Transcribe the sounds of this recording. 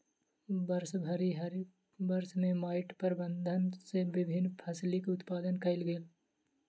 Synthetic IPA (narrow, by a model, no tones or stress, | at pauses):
bɐɾsbʱɐɾiɦɐɾ | bɐɾsmẽmaːɪʈpəɾbə̃nd̪ʱənseʋɪbʱɪnːpʰɐslikʊt̪paːd̪ənkɐɪlɡeːl